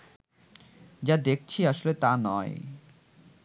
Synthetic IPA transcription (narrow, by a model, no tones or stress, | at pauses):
d͡ʑad̪ek̚ʰt͡ɕʰiaʃolet̪anɔe